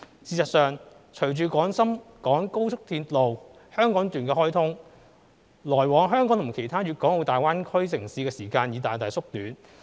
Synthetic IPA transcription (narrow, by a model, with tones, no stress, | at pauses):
siː˨˧sɐ˨t̚sœː˨ŋ | t͡ʃʰɵ˨˩ɥt͡ʃyː˨˧kɔː˨˥ŋsɐ˥mkɔː˨˥ŋko˥wt͡sʰʊ˥k̚t̪ʰiː˧tlo˨w | hœː˥ŋkɔː˨˥ŋt̪yː˨˩nkɛː˧hɔː˥jt̪ʰʊ˥ŋ | lɔː˨˩jwɔː˨˥ŋɦœː˥ŋkɔː˨˥ŋt̪ʰʊ˨˩ŋkʰe˨˩jt̪ʰaː˥ɥyː˨t̚kɔː˨˥ŋlo˨˧wt̪aː˨jwaː˥nkʰɵ˥ɥsɪ˨˩ŋsiː˧kɛː˧siː˨˩kaː˧njiː˨t̪aː˨jt̪aː˨jsʊ˥k̚t̪yː˨˥n